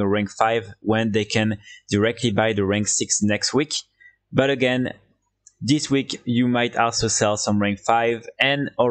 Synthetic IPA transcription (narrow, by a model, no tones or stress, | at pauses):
əɹæ̃ŋkfaɪvwɛ̃nðeɪkʰɛ̃nd̥əɹɛk̚tʰlibaɪðəɹæ̃ŋksiksnɛkstwik | bʌɾəɡɛ̃n | ðiswikjɨmaɪtʰɔlˠsosɛlˠsʌ̃mɹæ̃ŋkfaɪvɛ̃nɔ